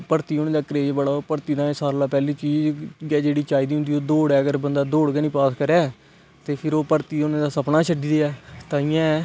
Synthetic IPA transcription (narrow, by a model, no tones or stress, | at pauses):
pəɾt̪iːoːnẽːd̪aːkəɾeːd͡ʒbəɽaːoːpəɾt̪iːd̪ãːesaːɾlaːpɛːliːt͡ʃiːd͡ʒɡɛːd͡ʒeːɽiːt͡ʃaːiːd̪iːɦnd̪iːoːd̪oːɽɛːəɡəɾbənd̪aːd̪oːɽɡɛːnĩːpaːskəɾɛː | t̪eːpʰɪɾoːpəɾt̪iːonẽːd̪aːsəpnaːt͡ʃʰəɖiːd̪eːɛːt̪ãːɪjãː